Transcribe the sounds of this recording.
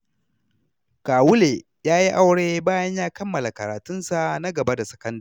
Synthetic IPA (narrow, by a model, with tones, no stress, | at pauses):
kaː˨wʊ˦leː˨ | jaː˦ji˦ʔa˦wɽeː˦baː˦jɐ˦ɲjaː˦kɐ˦mːɐ˨la˨kɐ˨ɾaː˨tʊ˦nsa˨ʔna˦ɡɐ˨ba˦da˨sɐ̥˨kɐ˦ndaː˨